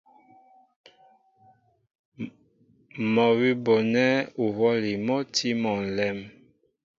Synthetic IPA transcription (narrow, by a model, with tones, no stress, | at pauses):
mɔ˨wi˦bo˨nɛ˦u˨hɔ˦li˨mɔ˦tʰi˦mɔ˨n̩˨lɛ˦m